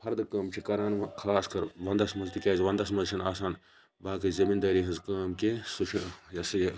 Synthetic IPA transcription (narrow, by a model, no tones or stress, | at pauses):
pʰɐɾd̪ɨkɐːmt͡ʃʰikɐɾaːnkʰaːskɐɾʋɐnd̪ɐsmɐzt̪ikʲaːzʋɐnd̪ɐsmɐzt͡ʃʰinaːsaːn | baːkɐzɐmind̪ɐːɾiːɦɨzkɐːmkesut͡ʃʰijɐsɨjɐ